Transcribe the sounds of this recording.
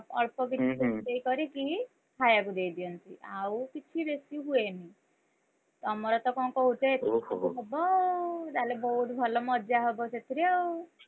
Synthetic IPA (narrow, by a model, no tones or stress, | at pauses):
ɔɭpɔk̬it̪ibesit̪eikɔɾiki | hʰajakud̪ejd̪iɔnt̪iʔawkit͡ʃʰibesiɦueni | t̪ɔmɔɾɔt̪ɔkɔŋkɔɦut̪etʰɦebɔd̪alebɔɦut̪bʱɔlɔmɔd͡ʒaɦebɔset̪ʰiɾew